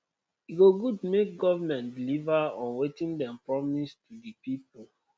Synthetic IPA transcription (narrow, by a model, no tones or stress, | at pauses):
iɡoɡudmek̚ɡɔvamɛ̃ntdilivaɔ̃nwetĩndɛ̃mpɹɔmistudipipul